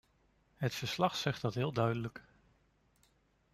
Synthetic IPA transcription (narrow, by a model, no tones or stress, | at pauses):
ɦətfəɹslɑχsɛχt̚ɑtɦɪːlˠdœɥdələk